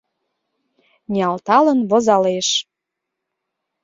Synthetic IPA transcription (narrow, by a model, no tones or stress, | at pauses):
nʲiɑlt̪ɑlə̆nβozɑleʃ